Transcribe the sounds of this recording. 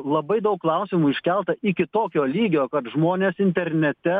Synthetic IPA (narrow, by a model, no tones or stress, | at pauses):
lˠɐbɐɪd̪ɐʊkːlˠɐʊsʲɪmuːɪʃʲkʲɛlˠt̪ɐʔɪkʲɪt̪oːkʲoːlʲiːɡʲoːkɐt̪ʒmoːnʲeːsɪnʲt̪ʲɛɾʲnʲɛt̪ʲɛ